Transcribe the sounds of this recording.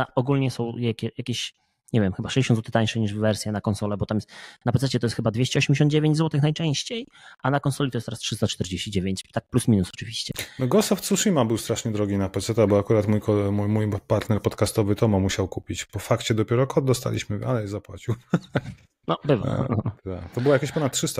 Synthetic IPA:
aɔɡulɲɛsɔ̃w̃jakʲɛjakʲeɕ | ɲɛvʲjɛmxɘbaʂɛ̥zd͡ʑeɕɔnzwɔt̪ɘ̥t̪aɲ̃ʂɛɲiʐvːɛɾsʲjɛnakɔnsɔlɛbɔt̪amjɛst̪napɛt̪sɛt͡ɕɛt̪ɔjɛst̪xɘbad̪vʲeɕt͡ɕɛɔɕemɲd͡ʑeɕɔnd̪̚d͡ʑevʲẽɲd͡ʑzwɔt̪ɘxnajt͡ʂɛ̃w̃ɕt͡ɕejʔanakɔnsɔlʲit̪ɔjɛst̪ɔɾastʂɘst̪at͡ʂt̪ɛɾd͡ʑeɕt͡ɕid͡ʑevʲjeɲt͡ɕt̪ak̚plusmʲinusɔ̥t͡ʂɨvʲiɕt͡ɕɛmɛɡɔsaft̪suʂimabɘwst̪ɾaʂɲɛd̪ɾɔɡʲinapɛt̪sɛt̪abɔakuɾat̪mujkʰɔmumujpaɾt̪nɛɾpɔt̪kast̪ɔvɘt̪ɔmɔmuɕawkupʲit͡ɕpɔfakt͡ɕɛd̪ɔpʲɛɾɔkʰɔd̪̚d̪ɔst̪a̰lʲḭɕmɘa̰lɛjzapwat͡ɕiw | nɔbɘva̰a̰t̪a̰kt̪ɔbɘwajakʲaɕʲpɔnat̪tːʂɘst̪a

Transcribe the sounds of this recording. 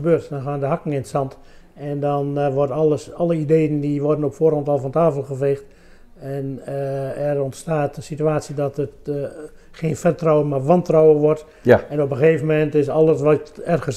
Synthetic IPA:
əbøːtdɔnxaːndəɦakəŋɪnsɑnt | ɛndɔnʋɔrtəɑlˠəideːjəndiʋɔrdənɔpfoːrhɔntɔlˠfɔntaːfəlˠχəfeːxt | ɛnəɛrɔntstaːtənsityaːsidɔtət | xeːnfɛrtrawəmarʋɑntrɔwəʋɔrt | ɛnopəxeːvənmɛntɪsɔlˠəsʋɔtɛrɣəs

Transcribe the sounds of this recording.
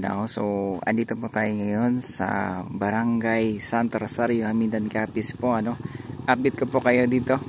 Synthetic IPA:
na̰wsoɐ̰nd̪it̪opot̪aːjoŋajonsa̰bɐɾaŋɡajsant̪ɛɾsaɾjohamind̪ankaːpɪspoɐnoʔap̚dɪt̪̚kopokɐjod̪iːt̪o

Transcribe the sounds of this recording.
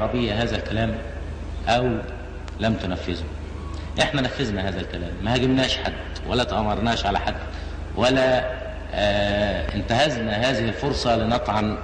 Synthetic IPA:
ɾˤɑbɪjːæɦæːzælkælæːm | ʔæw | læmt̪ʊnæfːɪzʊ | ʔeħnænæfːɪznæhæːðælkælæ̰ːmːæhæɡɪbnæːʃħad̪ | wælːæt̪ʔɑmɑɾˤnæːʃʕalæ̰ħad̪ | wʔælːæ | ɪnt̪æhæznæɦæːzɪhɪlfoɾsˤɑlinɑt̪ˤʕɑn

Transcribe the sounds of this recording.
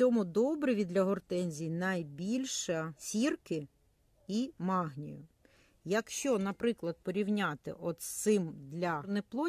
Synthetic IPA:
t͡sʲɔmʊd̪ɔbɾɪʋʲid̪lʲɐɦɔrt̪ɛnʲzʲijnɐjbʲilʲʃɐsʲirkɪ | imɑɦnʲḭjʊ | jɐkʃt͡ʃɔnɐpɾɪklˠɐd̪̚pɔɾʲiwnʲat̪ɪ̰ʔɔt̪sɪmd̪lʲɐnɛplˠɔ

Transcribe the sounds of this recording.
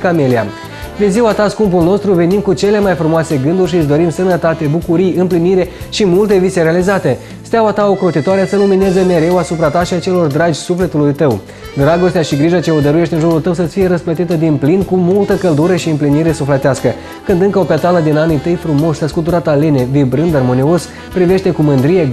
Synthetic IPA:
kamelia̰ | d̪eziwat̪askumpulno̞st̪ɾuve̞nimkut͡ʃe̞le̞majfɾumoase̞ɡɨnd̪urʃisʲd̪o̞ɾimsənət̪at̪e̞bukuɾijɨmpliniɾe̞ʃimult̪e̞viseɾealizat̪e̞ | st̪eawat̪aokɾot̪it̪oaɾesəlumine̞ze̞me̞ɾe̞wasupɾat̪aʃiat͡ʃe̞lo̞rd̪ɾad͡ʒʲsufle̞t̪ulujt̪əw | d̪ɾaɡo̞st̪eaʃiɡɾiʒat͡ʃeod̪əɾuje̞ʃt̪ʲɨnʒuɾult̪əwsət̪sʲfije̞ɾəsplət̪it̪əd̪inplinkumult̪əkəld̪uɾəʃiɨmpliniɾe̞suflet̪easkə | kɨnd̪ɨŋkəo̞pet̪aləd̪inanit̪əjfɾumo̞st̪əskut̪uɾat̪alene̞vibɾɨnd̪armo̞nio̞s | pɾive̞ʃt̪e̞kumɨnd̪ɾije̞

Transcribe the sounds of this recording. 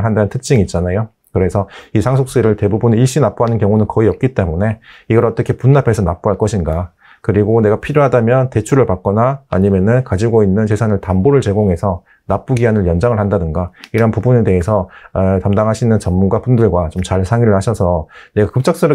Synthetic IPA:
ɭɦandanɯntʰɯk̚t͡ɕ͈iŋiːt̚t͡ɕ͈anajo | kɯɾe̞sʰʌisʰaŋsʰok̚s͈ɯɾɯɭte̞bubuniɭɕ͈inap͈uɦanɯnkjʌŋunɯnkʌiʌp̚k͈it͈e̞mune̞iɡʌɾʌt͈ʌkʰe̞punːapʰe̞sʰʌna̰p͈uɦaɭk͈ʌɕʰinɡa | kɯɾiɡone̞ɡapʰiɾjoɦadamjʌnte̞t͡ɕʰuɾɯɭpak͈̚ʌnaːɲimjʌnɯnkad͡ʑiɡoinːɯnt͡ɕe̞sʰanɯɭtamboɾɯɭt͡ɕe̞ɡoŋɦe̞sʰʌ | nap͈uɡiɦanɯɭjʌnd͡ʑaŋɯɭhandadɯnɡaiɾʌnpubune̞te̞ɦe̞sʰʌtamdaŋɦaɕʰinːɯnt͡ɕʌmːunɡwapundɯɭɡwat͡ɕomt͡ɕaɭsʰaŋiɾɯɭhaɕʰʌsʰʌne̞ɡakɯp̚t͡ɕ͈ʌk̚s͈ɯɾɯ

